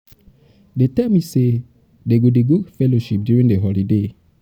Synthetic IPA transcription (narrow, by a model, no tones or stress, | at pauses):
detɛmise | deɡodeɡofɛloʃip̚djuɹĩŋdeɦɔlide